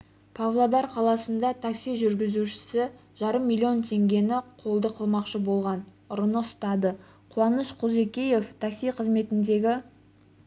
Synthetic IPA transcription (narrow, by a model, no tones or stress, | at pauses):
pʰavlˠod̪ɑɾqʰɑlˠɑsənd̪ɑt̪ʰaksijʒʏɾɡʲɪzuʃɪ̥sɪ | ʒ̥ɑɾəmːilʲːio̞nt̪ʰe̞ŋɡʲe̞nɪqʰo̞lˠd̪əqʰəlˠmɑqʃəbo̞lˠʁɑn | ʊɾənəst̪ɑd̪ə | qʰuwɑnəʃqʰuze̞kʲije̞ft̪ʰaksijqʰəzme̞t̪ɪnd̪e̞ɡʲɪ